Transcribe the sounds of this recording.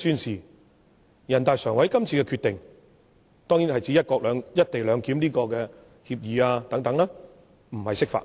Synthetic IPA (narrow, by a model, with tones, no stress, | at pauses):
syː˧nsiː˨ | jɐ˨˩nt̪aː˨jsœː˨˩ŋwɐ˨˥jkɐ˥mt͡sʰiː˧kɛ˧kʰyː˧t̪ɪ˨ŋ | t̪ɔː˥ŋjiː˨˥nhɐ˨jt͡siː˨˧˦jɐ˥t̚kɔː˧k̚lœː˨˧ŋjɐ˥t̚t̪e˨jlœː˨˧ŋkiː˨˥mniː˥kɔː˧kɛː˧ | hiː˧p̚jiː˨˧aː˧t̪ɐ˨˥ŋt̪ɐ˨˥ŋlɛː˥ | m̩˨˩hɐ˨jsɪ˥k̚fa̰ː˧t̚